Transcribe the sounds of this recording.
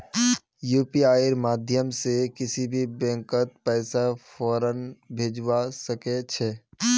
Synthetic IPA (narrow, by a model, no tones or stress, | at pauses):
juːpiaːɪɾmaːd̪ʱjəmsekɪsibʱibɛ̃ːŋkət̪̚pɛːsafʰɔːɾənbʱeːd͡ʒwasəket͡ʃʰɛː